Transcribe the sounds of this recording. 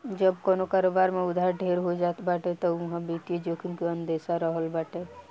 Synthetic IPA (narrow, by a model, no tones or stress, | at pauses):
d͡ʒəbkonokaɾobaɾmeud̪ʱaɾɖʱeɾɦod͡ʒat̪ʰbaʈet̪əuɦãbit̪jed͡ʒokʰənkeənd̪esaɾəɦəlbaʈe